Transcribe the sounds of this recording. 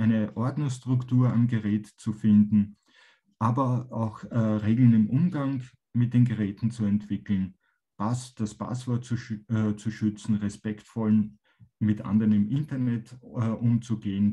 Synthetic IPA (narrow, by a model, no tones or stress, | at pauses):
ʔæɪnəʔɔɐdnstʁ̥ʊktuːɐanɡəʁɛːtt͡sufɪndn̩ | ʔaːbɐʔaʊxʁeːɡl̩nɪmʔʊmɡaŋ | mɪt̚d̥eːnɡəʁɛːtn̩t͡suɛntv̥ɪkl̩n | b̥asd̥aspa̰sv̥ɔɐt͡sut͡suʃʏt͡sn̩ʁɛspɛktfɔl | mɪtʔã̰ndəʁənɪmʔɪntɐnɛtːʔʊmt͡suɡeːən